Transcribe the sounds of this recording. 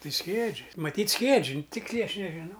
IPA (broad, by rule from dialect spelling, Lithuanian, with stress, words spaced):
ˈtɐɪ ˈsʲkʲiɛd͡ʒʲɪ mɐˈtʲiːt ˈsʲkʲiɛd͡ʒʲɪ ˈtʲɪksʲlʲɛɪ ˈɐʃ nʲɛʒʲɪˈnɐʊ